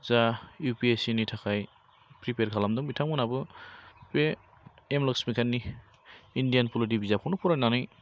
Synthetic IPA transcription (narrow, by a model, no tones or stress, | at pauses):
zajupiesinitʰakʰaj | pɾipeɾkʰalamdɔŋbitʰamɯnabɯpe | emlɔksmikʰanːi | indijanpʰuldibizapʰɔnɔpʰɔɾajnanɯj